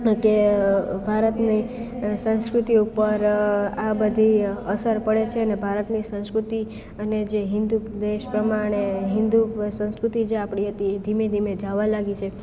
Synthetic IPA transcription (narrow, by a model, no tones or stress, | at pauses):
kebʱaɾət̪nisə̃skɾut̪iupəɾabəd̪ʱiəsəɾpəɭet͡ʃʰeənebʱaɾət̪nisə̃w̃skɾut̪i | əned͡ʒeɦɪ̃nd̪ud̪eʃpɾəmaɽ̃eɦɪ̃nd̪usə̃skɾut̪id͡ʒeapɳiɦət̪ied̪ʱimed̪ʱimed͡ʒaʋalaɡit͡ʃʰe